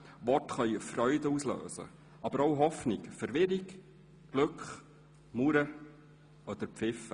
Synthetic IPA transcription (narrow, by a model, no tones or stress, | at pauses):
ʋɔtχœʏəfrœʏdəuslø̰ːsə̰ | ʔɑb̥əɾoʊɦɔfnɪkfɛɾʋɪɾɪk | ɡ̥lɵkχ | muɾə | ɔd̪̥əɾpp͡fɪfə